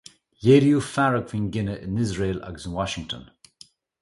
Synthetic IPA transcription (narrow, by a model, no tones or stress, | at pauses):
jeɾiufaɹəkʰvɪ̃ŋɡɪnəʔɪ̰̃nɪzɹeːla̰ɡz̃nwɔʃɪ̃ŋtʰə̰̃n